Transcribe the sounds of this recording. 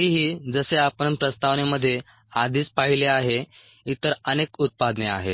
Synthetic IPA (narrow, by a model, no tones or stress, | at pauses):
iɦiːd͡zəseapəɳpɾəst̪aʋneməd̪ʱːje | ad̪ʱiːt͡spaɦileaɦe | it̪əɾənekut̪̚pad̪nea̰ɦḛ